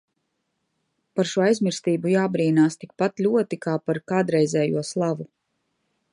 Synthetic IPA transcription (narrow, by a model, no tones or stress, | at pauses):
paɾʃuɔajzmiɾst̪iːbujaːbɾiːnaːst̪ikpat̪lʲuɔt̪ikaːpaɾkaːd̪ɾɛjzʲɛːjṵɔslˠavu